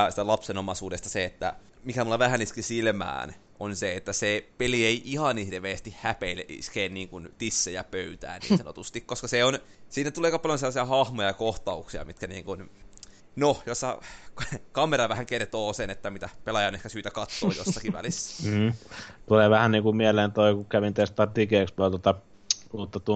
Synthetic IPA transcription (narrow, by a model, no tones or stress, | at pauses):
sit̪ælɑpsenomɑsuːdest̪ɑseet̪ːæ̰ | mikæmulːɑʋæhæniskisilmæ̰ːn | onseet̪ːæsepelieiʔihɑnihreʋeːst̪ihhæpeileʔḭskeːnniːŋkunt̪isːejæpøyt̪æ̰ːnḭːsɑno̰t̪ust̪ikkoskɑseonsiːnːæt̪uleːkɑpɑljonselːɑsiɑhɑhmojɑjɑkoht̪ɑuksiɑ̰mit̪kænḭːŋkun | nojosːɑ̰ | kɑmeɾɑʋæhæŋkert̪oːsenet̪ːæmit̪æpelɑjɑnehkæsyːt̪ækɑt̪ːo̰ːjo̰sːɑkiʋʋæ̰lisːæ̥t̪uleʋæhænniːŋkummieleːnt̪oikukæʋint̪est̪ɑt̪ikeːˑkspult̪ot̪ɑ | uːt̪ːɑt̪u